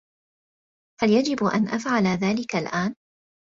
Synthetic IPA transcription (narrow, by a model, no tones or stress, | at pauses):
haljad͡ʒɪbʔa̰nʔafʕalaðaːlɪkalʔaːn